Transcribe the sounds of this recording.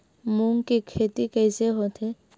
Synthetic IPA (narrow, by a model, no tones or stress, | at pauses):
muŋkikʰet̪ikəjseɦot̪ʰe